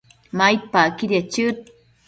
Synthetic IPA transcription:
majt̪̚pakiɾjat͡ʃɨt̪̚

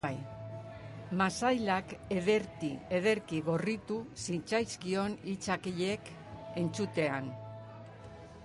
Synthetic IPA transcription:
aj | masajlake̞ðeɾkieðe̞ɾkiɣo̞rit̪usint͡sajskio̞nit͡sakiʎe̞k | e̞nt͡sut̪e̞an

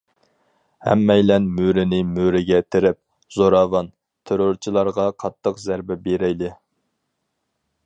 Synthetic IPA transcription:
hæ̰mːɛjlɛnmyɾɪnɪmyɾɪɡʲɛt̪ʰɪɾɪp̚ | zoɾɑːvɑn | t̪ʰeɾoɾt͡ʃʰilˠɑɾʁɑqʰɑt̪ʰːəqzæɾbɛbeɾɛjlɪ

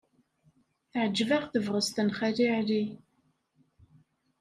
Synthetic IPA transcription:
ʕəd͡ʒvaʁθəvʁəst̪ənχæɾiʕɾi

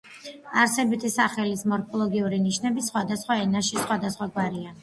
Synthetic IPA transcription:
aɾsɛbit̪ʰisaχɛlismɔɾpʰɔlˠɔɡiuɾiniʃnɛbisχwad̪asχwaɛnaʃisχwad̪asχwaɡwaɾia

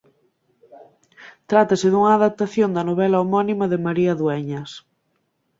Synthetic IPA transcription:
t̪ɾat̪ɐsɪðuŋɐːðap̚t̪aθjond̪ɐnoβ̞ɛlaomɔnimɐðɪmaɾiɐðwɛɲɐs

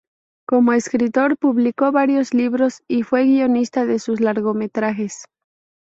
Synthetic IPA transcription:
ko̞mo̞eskɾit̪o̞ɾpuβliko̞βaɾjo̞zliβɾo̞sifwe̞ɣio̞nist̪aðe̞sus̬laɾɣo̞me̞t̪ɾaxe̞s

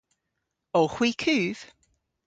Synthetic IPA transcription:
oxwiːkʰʉːv̥

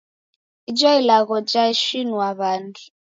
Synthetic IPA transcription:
id͡ʒɔilaɣɔd͡ʒaiʃinuwaβandi

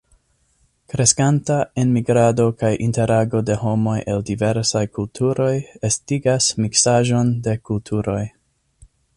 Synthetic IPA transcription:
kɾe̞skantaenmiɡɾado̞kajʔinte̞ɾaɡo̞de̞ɦo̞mo̞jʔe̞ldive̞ɾsajkultʰuɾo̞jestiɡasmiksaʒo̞nde̞kultʰuɾo̞j

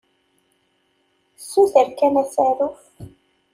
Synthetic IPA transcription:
sːuθəɾkænæsæɾuf

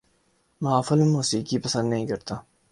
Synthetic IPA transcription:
mɐaːfɐlemoːsiːkipɐsɐ̃nd̪nɐɦĩkɐɾt̪aː

